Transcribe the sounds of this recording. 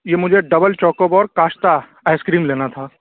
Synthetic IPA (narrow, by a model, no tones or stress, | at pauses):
jeːmʊd͡ʒʱeɖɐbəlt͡ʃɔːkobɔːɾkaːʃt̪a | aːɪskɾiːmleːnat̪ʰaː